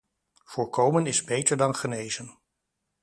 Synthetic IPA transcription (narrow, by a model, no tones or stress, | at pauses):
v̥ʊːɹkowmənɪzbejtəɹdɑnχənejzən